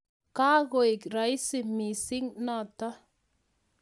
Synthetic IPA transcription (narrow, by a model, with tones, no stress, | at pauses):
kaː˦ɣoi˨kɾa˨jsi˨misi˦ŋna˨t̪a˦